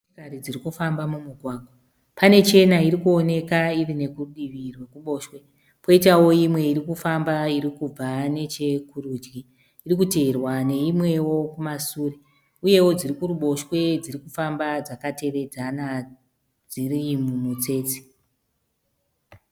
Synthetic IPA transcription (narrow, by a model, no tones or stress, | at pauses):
ikaɾid͡zirikufambamumuɡʱwaːɡʱwa | pane̞t͡ʃe̞nairikuo̞ne̞kairine̞kuɗiʋirwekuɓo̞ːʃwe̞ | po̞itawo̞imwe̞iɾikufambaiɾikub͡vane̞t͡ʃe̞kuruːd͡ʒɡiː | rikute̞ːrwane̞imwe̞wo̞kumasuːre | uje̞wo̞d͡zirikuruɓo̞ʃwe̞d͡zirikufambad͡zakate̞re̞d͡zana | d͡zirimumut͡se̞ːt͡si̥